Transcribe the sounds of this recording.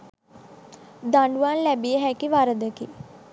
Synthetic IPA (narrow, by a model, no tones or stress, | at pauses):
d̪aɳɖuʋanlɛbiəɦɛkiʋaɾəd̪əki